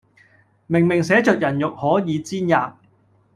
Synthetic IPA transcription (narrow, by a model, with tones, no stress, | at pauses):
mɪ˨˩ŋmɪ˨˩ŋsɛː˨˥t͡ʃœː˨k̚jɐ˨˩njʊ˨k̚hɔː˨˥jiː˨˧t͡siː˥njaː˨p̚